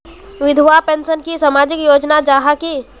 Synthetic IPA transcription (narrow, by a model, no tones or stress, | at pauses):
ʋɪd̪ʱʋapẽːnsənkisamaːd͡ʒɪkjoːd͡ʒnad͡ʒaːɦaki